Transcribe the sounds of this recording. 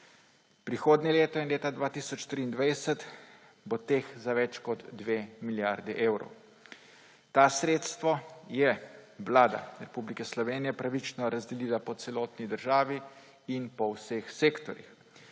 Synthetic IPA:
pɾixoːd̪nʲɛleːt̪ɔinleːt̪ad̪ʋaːt̪isɔt͡ʃt̪ɾiːnd̪ʋajsɛt̪ | bot̪eːxzaʋɛt͡ʃkɔd̪ːʋeːmiljaɾd̪ɛʔeːwɾɔ̰w | t̪asɾeːt̪st̪ʋɔjɛʋlaːd̪a̰ɾɛpublikɛslɔʋeːnijɛpɾaʋit͡ʃnɔɾazd̪ɛlilapɔt̪sɛlɔːt̪nid̪əɾʒaːʋi | inpɔwsexseːkt̪ɔɾḭx

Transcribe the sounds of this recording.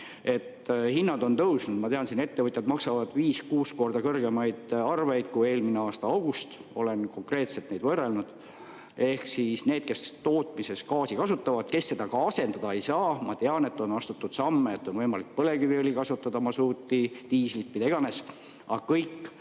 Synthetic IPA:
e̞t̪ːhinːɑd̪o̞nt̪ɤwsnud̪̥mɑt̪e̞ɑnsiːne̞t̪ːe̞vɤt̪ʲjɑd̪mɑksɑvɑd̪̥viːskuːsko̞rd̪ɑkɤrɡ̥e̞mɑjd̪̥ɑrve̞jd̪̥̚kue̞ːlmineɑːst̪ɑɑwɡ̥ust̪o̞̰le̞nko̞ŋkre̞ːt̪selt̪ne̞jd̪vɤrːe̞lnud̪̥ | e̞hksisne̞ːd̪̥̚ke̞st̪o̞ːt̪ˑmise̞skɑːsikɑsut̪ːˑɑvɑd̪̥ke̞sːe̞d̪̥ɑkɑɑse̞nd̪ɑd̪̥ɑe̞jsɑːmɑt̪e̞ɑne̞t̪ˑːo̞nɑst̪ut̪ːud̪̥sɑmːeet̪ːˑo̞nvɤjmɑlik̚pɤle̞kyviolʲikɑsut̪ːˑɑd̪̥ɑmɑsuːt̪ːit̪iːslit̪̚pːid̪ɑiɡ̥ɑne̞s | ɑ̰kɤjkːˑ

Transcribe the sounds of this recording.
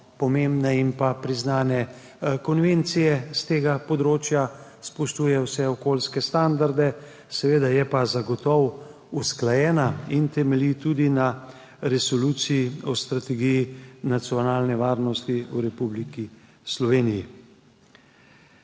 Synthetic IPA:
pɔmembnɛimpapɾiznaːnɛ | kɔnʋent̪sijɛst̪eːɡapɔd̪ɾoːt͡ʃjaspɔʃt̪uːjɛwsɛɔkoːlskɛst̪and̪aɾd̪ɛ | sɛʋeːd̪ajɛpazaɡɔt̪ɔw | usklajɛːnaint̪ɛmɛlit̪ud̪ina | ɾɛsoluːt̪sijɔst̪ɾat̪ɛɡijinat̪sijɔnaːlnɛʋaːɾnɔst̪iuɾɛpubliki | slɔʋeːniji

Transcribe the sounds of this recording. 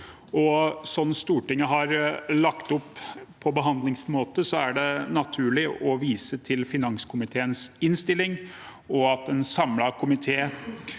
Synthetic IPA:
ɔsɔnːst̪uːʈɪŋːəɦɑɾlɑkt̪ʊpʰː | ɔbəɦɑnd̪lɪŋsmoːt̪əsɔæɖɛnɑt̪ʰʉːɭɪʔɔʋiːsət̪ʰɪlfɪnɑŋskʰʊmɪt̪ʰeːənsɪnst̪ɪlːɪŋ | ɔɑt̪ɛnsɑmlɑkʰʊmɪt̪ʰeː

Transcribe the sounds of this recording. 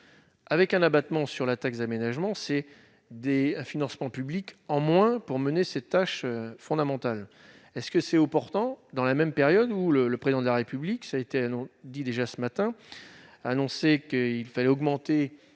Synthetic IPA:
avɛkɛ̃nabat̪mɑ̃syʁlat̪aksd̪amenaʒmɑ̃sɛ | d̪ẽfinɑ̃smɑ̃pyblikɑ̃mwɛ̃puʁmənesɛt̪ːaʃøfɔ̃d̪amɑ̃t̪al | ɛskəsɛɔpɔʁt̪ɑ̃d̪ɑ̃lamɛmpeʁjɔd̪ulələpχezid̪ɑ̃d̪əlaʁepybliksaet̪eaɔ̃d̪id̪eʒasəmat̪ɛ̃ | anɔ̃sekəilfalɛɔɡmɑ̃t̪e

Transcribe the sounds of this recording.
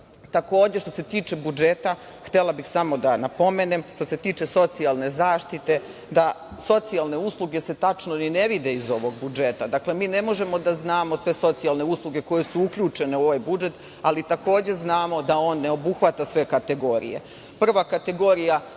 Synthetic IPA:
t̪ako̞ːd͡ʑeʃt̪o̞̥se̞t̪iːt͡ʃe̞bud͡ʒet̪a | xt̪elˠabixsamo̞d̪anapo̞me̞nemʃt̪o̞se̞t̪iːt͡ʃe̞so̞t̪sialˠne̞zaːʃt̪it̪e̞d̪aso̞t̪sialˠne̞uslˠuɡe̞se̞t̪at͡ʃnonine̞ʋid̪e̞izo̞ʋo̞ɡ̚bud͡ʒe̞t̪ad̪akle̞miːne̞mo̞ʒe̞mo̞d̪aznaːmo̞sʋe̞so̞t̪sialˠne̞uslˠuɡe̞ko̞je̞suukʎuːt͡ʂe̞neo̞ʋajbud͡ʒe̞t̪ | alit̪ako̞ːd͡ʑeznaːmo̞d̪ao̞ːnːe̞o̞buxʋat̪asʋe̞kat̪e̞ɡo̞ɾḭje̞̰ | pr̩ʋakat̪e̞ɡo̞ɾija

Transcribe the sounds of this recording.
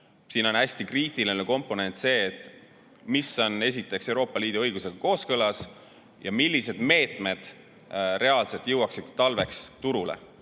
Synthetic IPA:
siːno̞næsʲt̪ikriːt̪ˑilineko̞mpːˑo̞ne̞nʲt̪se̞ːt̪ːˑ | miso̞ne̞s̬ʲit̪ːˑe̞ksewɾo̞ːpˑːɑliːd̪̥uɤ̞jɡ̥use̞ɡ̥ɑko̞ːskɤlɑs | jɑmilːise̞d̪̥me̞ːt̪ˑme̞d̪̥ | re̞ɑlse̞lt̪jɤwɑksid̪̥t̪ɑlve̞kst̪uɾulḛ

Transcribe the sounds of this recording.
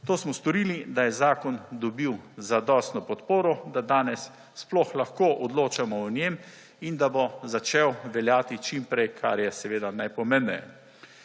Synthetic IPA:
t̪oːsmɔst̪ɔɾiːlid̪ajɛzaːkɔnd̪ɔbiwzad̪ɔst̪nɔpɔt̪poːɾɔd̪ad̪aːnɛsː | plɔxlaxkoːʔɔd̪loːt͡ʃamɔɔnjem | ind̪abozat͡ʃewʋɛljaːt̪it͡ʃimpɾɛjkʰaɾjɛsɛʋeːd̪anajpɔmemnɛjɛ

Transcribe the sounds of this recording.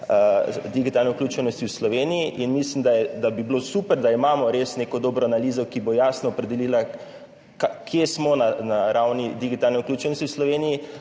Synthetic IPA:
əd̪iɡit̪alnɛuklʲuːt͡ʃɛnɔst̪iwslɔʋeːnijiʔinmislimd̪ajɛd̪abiblosupəɾd̪aimamɔɾesnekɔd̪oːbɾɔanaliːzɔkibojaːsnɔːpɾɛd̪ɛlila | kakʰjesmɔnanaɾawnid̪iɡit̪alnɛuklʲjuːt͡ʃɛnɔst̪iwslɔʋeːniji

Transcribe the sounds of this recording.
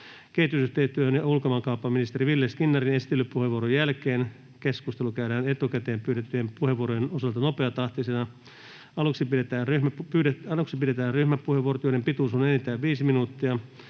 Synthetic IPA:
kehit̪ysyht̪eːst̪yøhønjɑulkomɑkɑupːɑminist̪eriʋilːeskinːɑrinesi̥t̪ːˑelːyppuheʋuoɾrojjælkeːn | keskust̪elukæyɾæːnet̪ukæt̪eːmpyːɾet̪ːyempuheʋuoɾojenosɑlt̪ɑnopeɑt̪ɑht̪isenɑ | ɑluksipiet̪æːnryhmpyːeɑluksipiɾet̪æːnryhmæppːuheʋuorot̪joiempit̪uːsunenit̪ːæːʋʋiːsiminuːt̪ːiɑ

